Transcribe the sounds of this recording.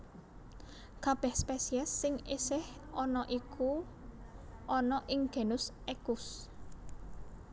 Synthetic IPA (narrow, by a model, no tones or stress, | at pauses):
kab̥ɛhspɛsiɛsːɪŋesɪhɔnɔʔikʰu | ʔɔnɔʔɪŋɡ̥e̤nʊsʔɛkʊs